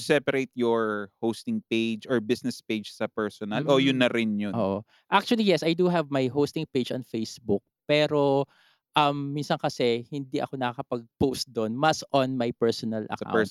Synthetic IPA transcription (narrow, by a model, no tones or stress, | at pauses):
sɛpɐɾet̪jɔɹhowst̪ɪŋpejd͡ʒɔɹbɪsnɛspejd͡ʒsɐpɛɹsɔnɐlʔojʊnːɐɾɪnjʊʔoːʔo | ʔak̚t͡ʃʊɐlijɛsajd̪uɦɛvmɐjɦowst̪ɪŋped͡ʒɐnfejsbʊk̚pɛːɾo̞ | ʔɐmːinsɐnkɐsɛhɪnd̪iʔɐ̰konɐkakɐpɐɡ̚post̪̚d̪onmɐsʔɔnmɐjpɛɹsɔnɐlɐ̰ka̰wɛ